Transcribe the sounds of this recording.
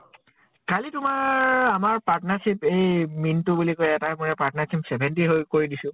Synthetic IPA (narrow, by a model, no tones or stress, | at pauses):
kalitʊmaɹamaɹpaɹtnaɹsipejmintʊbulikojɛtaɹmuɹɛpatnaɹsipsɛbʱɛntiɦojkoɹidisʊ̃